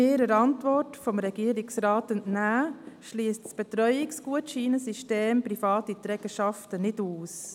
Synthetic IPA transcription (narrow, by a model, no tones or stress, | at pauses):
eːɾəɾɑntʋɔrtfɔmɾɛɡ̥iːɾɪksɾaːtəntnæːʃliːəstsb̥ɛtɾœʏɪksɡ̥uətʃiːnəsiʃteːmpɾifɑːtit̪ɾɛɡ̥əʃɑftənɪduːs